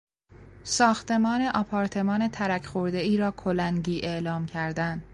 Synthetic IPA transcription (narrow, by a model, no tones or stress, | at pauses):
sɒːxt̪e̞mɒːne̞ʔɒpʰɒːɾt̪ʰe̞mɒːne̞t̪ʰæɾæcʰxoɾd̪e̞iːɾɒːkʰolæŋɟiːʔeʔlɒːmcʰæɾd̪ænd̪